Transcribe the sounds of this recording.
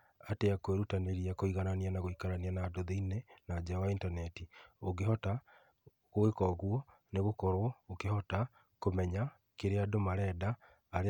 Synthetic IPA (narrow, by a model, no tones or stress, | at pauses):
ateakoeɾutaneɾiakoiɣananianaɣoikaɾanianadoðeinenad͡ʑeawaintanɛtioɡeɦɔta | ɣoekɔɣwɔ | neɣokɔɾɔokehɔta | komɛɲa | keɾeadomaɾɛdaː | ɾe